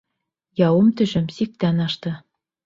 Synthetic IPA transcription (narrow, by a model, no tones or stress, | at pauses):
jɑwɤmt̪ɵ̆ʃɵmsik̚t̪ænɑʃt̪ɤ